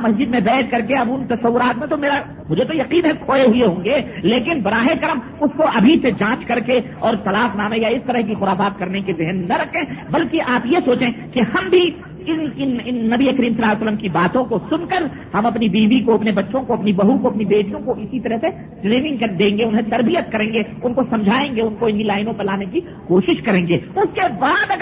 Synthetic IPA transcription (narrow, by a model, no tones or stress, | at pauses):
mɐsd͡ʒɪd̪mẽbɛːt̪̚kɐɾkeɐbʊnt̪ɐsɐʋːʊɾaːt̪mẽt̪omeːɾa | mʊd͡ʒʱet̪ojɐqiːnɦɛkʰoːeɦʊeɦõːŋɡeleːkɪnbɐɾaːɦekɐɾəm | ʊskoʔɐbʱised͡ʒãːt͡ʃkɐɾke | ɔːɾt̪ɐlaːfnaːmẽjaɪst̪ɐɾəɦkixʊɾaːfaːt̪̚kɐɾnekezɪɦnːɐɾɐkʰẽːbɐlkeʔaːpjesoːt͡ʃẽkeɦɐmbʱi | ɪnɪnɪnːɐbiekəɾiːmsɐlaːsəlːəmkibaːt̪õkosʊnkəɾ | hɐmɐpnibiːʋikoɐpnebɐtːʃʰõkoɐpnibɐɦukoɐpnibeːʈijõkoʔɪsit̪ɐɾəɦse | ʈɾeːmɪ̃ŋɡkɐd̪ẽːŋɡeʊnɦẽt̪ɐɾbijət̪̚kɐɾẽːŋɡe | ʊnkosɐ̃md͡ʒʱaːẽːŋɡeʊnkoɪnɦilaːɪnõpɐlaːneki | koːʃɪʃkɐɾẽːŋɡeʊskebaːd̪ɐɡ